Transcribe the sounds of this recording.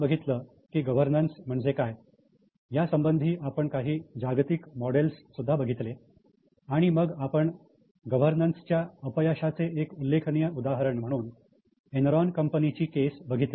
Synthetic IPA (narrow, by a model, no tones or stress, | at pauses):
bəɡʱit̪ləː | kiːɡəʋ̤əɾnənsm̤əɳd͡zekaj | jasəmbənd̪ʱiːʔapəɳkaɦiːd͡ʑaɡt̪ikmɔɽelsːud̪ʱːabəɡʱit̪le | aɽ̃iməɡapəɳ | ɡəʋ̤əɾnənst͡ɕjaəpəjaɕat͡seʔekulːekʰnijəud̪aɦəɾəɳm̤əɽ̃uːn | enɾɔnkəmpənit͡ɕiːkesbəɡʱit̪le